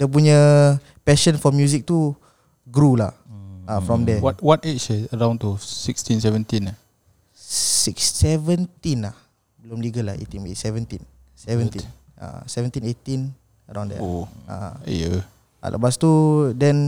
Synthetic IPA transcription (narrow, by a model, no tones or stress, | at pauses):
dəp̬uɲə | pɛʃə̃nfɔmjuzik̚t̪u | ɡɾula̰hafɹɔ̃mdɛɔtwɔtet͡ʃt͡ʃɛəɹãw̃nt̪usikstĩnsɛvə̃nt̪ĩna | sikssɛvə̃nt̪ĩnlah | bəlumliɡəlahḛt̪ĩnbesɛvə̃nt̪in | sɛvə̃nt̪i | a̰sɛvə̃nt̪ĩnet̪ĩn | əɾãw̃ndɛ̰ʔa̰jə | a̰lʔa̰past̪udɛ̃n